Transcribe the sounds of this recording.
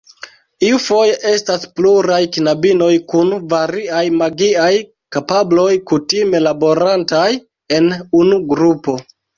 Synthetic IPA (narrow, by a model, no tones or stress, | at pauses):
iufo̞jeʔe̞staspluɾajkinabino̞jkunvaɾiajmaɡiaj | kapablo̞jkutime̞labo̞ɾantaj | e̞nunuɡɾupo̞